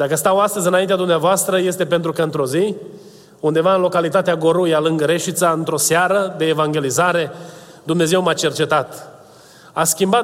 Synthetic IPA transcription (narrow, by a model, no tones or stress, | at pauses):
d̪akəst̪awast̪əzʲɨnaint̪ead̪umneavoast̪ɾəje̞st̪e̞pent̪ɾukəɨnt̪ɾo̞zi | und̪e̞vaɨnlo̞kalit̪at̪eaɡo̞ɾujalɨŋɡəɾe̞ʃit̪saɨnt̪ɾo̞seaɾəd̪e̞ːvaŋɡʲe̞lizaɾe̞ | d̪umne̞ze̞wmat͡ʃe̞rt͡ʃe̞t̪at̪ | askʲimba